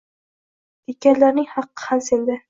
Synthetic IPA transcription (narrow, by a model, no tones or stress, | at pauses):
d̪ekʲanlaɾnɪŋhɑqːɨ̥hamsend̪ɪ